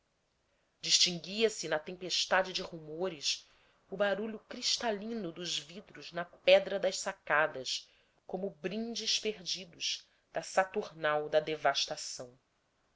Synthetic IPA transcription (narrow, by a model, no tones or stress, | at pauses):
d͡ʒiʃt͡ʃĩŋɡiɐsɪnɐt̪ẽmpeʃt̪ad͡ʒɪd͡ʒɪhumoɾɪs | ʊbaɾuʎʊkɾiʃt̪alĩnʊd̪ʊzvid̪ɾʊznɐpɛd̪ɾɐd̪ɐʃsakad̪ɐʃ | kõmʊbɾĩnd͡ʒɪʃpeɾd͡ʒid̪ʊʃ | d̪̥ɐsat̪uɾnawd̪ɐd̪evaʃt̪asɐ̃w̃